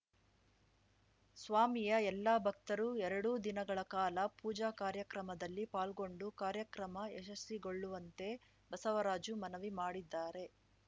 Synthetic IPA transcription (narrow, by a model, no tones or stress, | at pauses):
sʋaːmijɐɛlːabʱɐk̚t̪ɐɾuɛɾɐɽuːd̪inɐɡɐɭɐkaːlɐpuːd͡ʒaːkaːɾjɐkɾɐmɐd̪ɐlːipaːlɡo̞ɳɖukaːɾjɐkɾɐmɐɛʃɐsːiɡo̞ɭːuʋɐnt̪e̞ | bɐsɐʋɐɾaːd͡ʒumɐnɐʋimaːɽid̪ːaːɾe̞